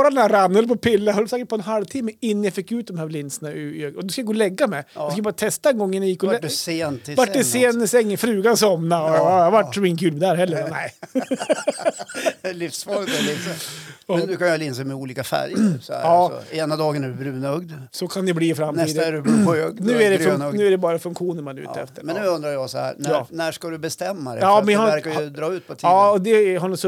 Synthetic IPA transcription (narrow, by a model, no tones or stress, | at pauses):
ɾaɛnæɾanːəlpɔpʰɪlːajhœlːsɛːkəʈ̚pɔɛnɦalvt̪ʰɪmːəɪnːənjafɪkːʉːt̪̚d̪ɔmhæːɾlɪnsənaɪøɔd̪ʉskajaɡoːlɛɡːamɛjɪskajbɑːɾat̪ʰɛst̪aɛnɡɔŋːənjajɪkːɔleːnt̪ʰɪvaʈdɛseːnsɛŋːɪfɾʉːɡansɔmnaɔhaʋaʈːsɔmɪŋːəkʰʉːlmɛd̪æːɾɦɛlːəɾnæɪ | lɪfsfɑːt̪ɛlɪsɔmɛnʉ̟ːkʰanjalɪnsemɛuːliːkafæ̰ɾjəsɔæ̰ɑːɔ̰eːnad̪ɑːɡənæɖɵbɾʉːnɵɡd̪sɔkʰand̪ɛbliːfɾamt̪ʰiːd̪ɾɡnʉ̟ːæɾɛfŋnʉːæɖɛbɑːɾafɵŋkɧuːnəɾmanʉ̰ːɛ̰ft̪əɾmɛnːʉːɵnd̪ɾajɑsɔhæ̰ːɾnɑːnæʂkad̪ɵbɛst̪ɛmːa̰d̪ɛɑːmɛhaæɾkad̪ɾɑːʉ̟ːt̪pʰɔt̪ʰɑːɔd̪ɛɦaɳɔsɔ